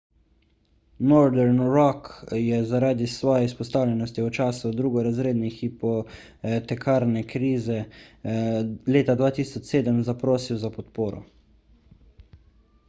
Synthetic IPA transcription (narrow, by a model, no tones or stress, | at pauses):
mɔɾd̪ɛɾnɾɔkjɛzaɾaːd̪isʋɔːjɛispɔst̪aːwlʲɛnɔst̪iɔt͡ʃaːsud̪ɾuːɡɔɾazɾeːd̪nixipɔ | t̪ɛkʰaːɾnɛkɾiːzɛ | leːt̪ad̪ʋaːt̪iːsɔt͡ʃseːd̪əmzapɾoːsiwzapɔt̪poːɾɔ̰